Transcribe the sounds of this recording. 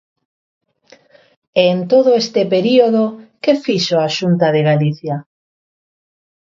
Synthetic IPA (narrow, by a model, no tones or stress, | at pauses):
ent̪oðoest̪epeɾioðokefiʃoaʃunt̪aðeɣaliθja